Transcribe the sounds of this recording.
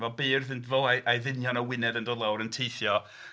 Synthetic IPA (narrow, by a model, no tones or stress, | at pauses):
vɛlˠbiːrðɪntvɔajʔajðɪnjɔnawɪnɛdəndɔːdlˠawɾəntʰejθjɔ